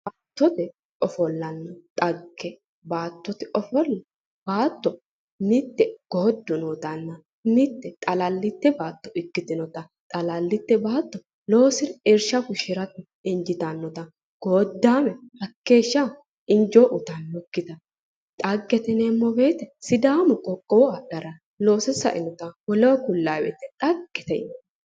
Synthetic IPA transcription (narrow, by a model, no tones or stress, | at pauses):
baːt̪ːɔt̪ɛ | ɔfɔlːɐnːɐt̪ʼɐɡːɛ | baːt̪ːɔt̪ɪɔfɔlːɐ | b̥aːt̪ːɔ | mɪt̪ːɛɡ̥oːd̪ːʊnɔːt̪ɐnːɐ | mɪt̪ːɛt̪ʼɐlɐlːɪt̪ːɛbaːt̪ːɔɪkːɪt̪ɪnɔt̪ɐ | t̪ʼɐlɐlːɪt̪ːɛbaːt̪ːɔ | lo̞ːsɪɾɛɾʃɐkʊʃɪɾɐt̪ɛ | ɪnd͡ʒɪt̪anːɔt̪ɐ | ɡ̥oːd̪ːaːmɛhɐkːe̞ːʃːa | ɪnd͡ʒoːʔʊt̪ɐnːɔkːɪt̪ɐ | t̪ʼɐɡːɛt̪ɛnemːɔbe̞ːt̪ɛsɪd̪aːmʊkʼɔkʼːɔɔɐd̪ɐɾɐ | lo̞ːsɪsɐ̰ʔɪ̰nɔt̪ɐwɔloːkʊlːaːbḛːt̪ːɛt̪ʼɐɡːɛt̪ɛ̰nɔ